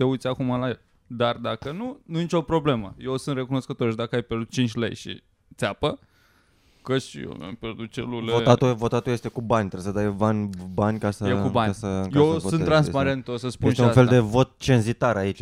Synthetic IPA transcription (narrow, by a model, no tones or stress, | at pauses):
t̪e̞ujt̪sʲakumalajel | d̪ard̪akənununit͡ʃo̞pɾo̞ble̞məjewsɨnt̪re̞kuno̞skət̪o̞ɾʃid̪akəajpʲjerd̪ut̪t͡ʃint͡ʃʲlḛjʃḭ | t̪seapə | kəʃḭjo̰a̰mpʲjerd̪ut̪̚t͡ʃḛlulevoat̪uvo̞t̪at̪uje̞st̪ekubanʲt̪ɾebsəd̪ajbanʲbanʲkasəekubanəjewvoɨnɾanspaɾe̞nt̪osəspuenʃeũafe̞ld̪e̞vo̞t̪̚t͡ʃe̞nzit̪aɾait͡ʃ